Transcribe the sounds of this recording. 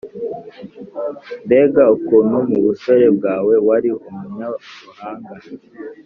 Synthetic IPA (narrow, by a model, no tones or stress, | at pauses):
nde̞ɡaukuːnhumuβuso̞ɾe̞b̚ɡaːwe̞waɾiumuɲaβuhaːŋɡa